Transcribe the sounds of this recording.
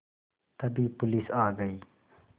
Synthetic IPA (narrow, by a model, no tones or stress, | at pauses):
t̪ɐbʱipʊlisaːɡəiː